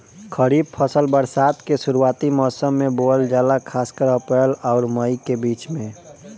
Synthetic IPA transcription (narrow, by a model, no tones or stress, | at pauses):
kʰəɾiːb̚pʰəsəlbəɾsaːt̪kesuɾuaːt̪imɔːsəmːẽbold͡ʒaːlakʰaːskəɾəpəlɔːɾməjkebiːt͡ʃmẽ